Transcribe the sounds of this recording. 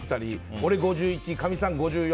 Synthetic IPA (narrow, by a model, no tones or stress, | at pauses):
ɯ̥t͈aɾioɾeɡod͡ʑuit͡ɕ͈ikamisʰaŋɡod͡ʑuj